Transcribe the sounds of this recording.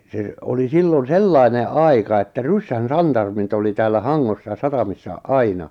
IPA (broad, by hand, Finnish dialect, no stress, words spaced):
se oli silːon selːɑine ʔɑikɑ etːæ rysːæn sɑntɑrmit oli tæːlːæ hɑŋːosːɑ sɑtɑmisːɑ ɑinɑ